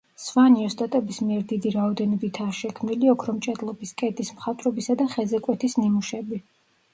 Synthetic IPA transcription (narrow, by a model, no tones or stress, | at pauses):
svaniɔst̪ʼat̪ʼɛbismiɛɾd̪id̪iɾaɔd̪ɛnɔbit̪ʰaːʃɛkʰmniliɔkʰɾɔmt͡ʃʼɛd̪lˠɔbiskʼɛd̪ismχat̪ʼɾɔbisad̪aχɛzɛkʼwɛt̪ʰisnimuʃɛbi